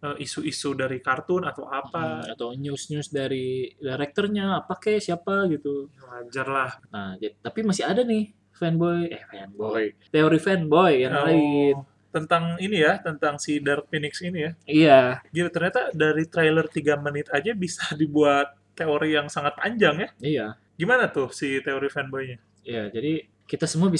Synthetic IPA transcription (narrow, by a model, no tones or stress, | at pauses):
əʔisuisudaɾikart̪ʊnat̪a̰wapaːt̪awɲʊsɲʊsdaɾidaɾɛk̚t̪ərɲaːpakɛsiapaɡit̪uəad͡ʒarlahnahd͡ʒadit̪apimasɪadanɪh | fɛnbɔjɛfɛnbojt̪eoɾifɛnbojjaŋlaɪn | t̪ənt̪aŋinijat̪ənt̪aŋsidart̪̚finɪksinijaijaɡit̪ut̪ərɲat̪adaɾit̪ɾajlərt̪iɡamənɪt̪ad͡ʒabisadibuat̪̚ːeoɾijaŋsaŋat̪̚paɲd͡ʒaŋjaija | ɡimanat̪ʊhsit̪eoɾifɛnbɔjɲa | ijad͡ʒadi | kit̪asəmuabi